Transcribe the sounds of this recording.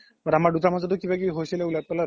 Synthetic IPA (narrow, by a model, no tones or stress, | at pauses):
baɾamaɹdutamazɔdkibakiɦojsilɛulaj̚pɛla